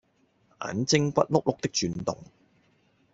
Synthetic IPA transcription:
ʔa̰ː˨˥nt͡sɪ˥ŋkʷɐ̰˥t̚lʊ˥k̚lʊ˥k̚t̪ɪ˥k̚t͡ʃyː˨˧nt̪ʊ̰˨ŋ

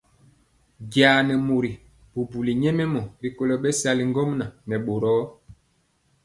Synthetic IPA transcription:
ɡjaː˨nɛ˨mo˨ɾi˨ | bu˨bu˨li˨ɲɛ˦mɛ˦mɔ˨ɾi˨ko˦lɔ˨ɓɛ˦sa˦li˨ŋɡɔ˦mna˨nɛ˨ɓo˨ɾɔː˦

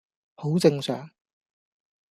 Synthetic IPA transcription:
ho˨˥wt͡sɪ˧ŋsœ̰ː˨˥ŋ

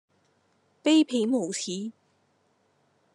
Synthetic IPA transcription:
pe˥ɪpʰi˨˥ŋmo˨˩wt̪ʰi˨˥

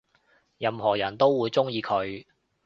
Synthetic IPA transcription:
jɐ˨˧mɦɔː˨˩jɐ˨˩nt̪o˥wːuː˨˧jt͡sʊ˥ŋjiː˨˧kʰɵ˨˧ɥ

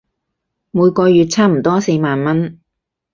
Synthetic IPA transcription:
muː˨˧jkʷɔː˧jyː˨t̚t͡sʰaː˥m̩˨˩t̪ɔː˥se˧jmaː˨nmɐ˥n

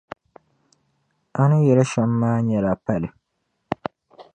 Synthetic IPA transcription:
a˦nɨ˦jɛ˨la˦ʃa˨mː˦aː˦ɲɛ˨la˨pa˦lɨ˨

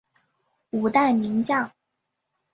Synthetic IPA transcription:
u˨˩t̪a˥˩ɪmi˧˥ŋt͡ɕjɑ˥˩ŋ

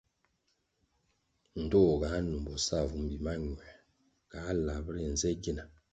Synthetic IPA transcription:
n̩˨dɔ˦˨ɡa˨˦nu˨m˨bɔ˨sa˦˨vu˨˦m̩˦bi˨ma˦ɲwɛ˨ | ka˨˦la˨bɾe˨n̩˨zɛ˦ɡe˦na˨

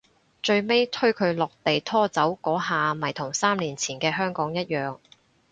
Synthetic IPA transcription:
t͡ʃɵ˧ɥme˥jt̪ʰɵ˥ɥkʰɵ˨˧ɥlɔː˨k̚t̪e˨jt̪ʰɔː˥t͡sɐ˨˥wkɔː˨˥ɦaː˨mɐ˨˩jt̪ʰʊ˨˩ŋsaː˥mnliː˨˩nt͡sʰiː˨˩nkɛː˧ɦœː˥ŋkɔː˨˥ŋjɐ˥t̚jœː˨ŋ

